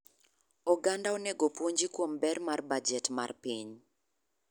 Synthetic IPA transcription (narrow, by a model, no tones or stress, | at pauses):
ɔɡandaoneɡopwoɲd͡ʒikwombɛrmarbad͡ʒɛtma̰rpiɲ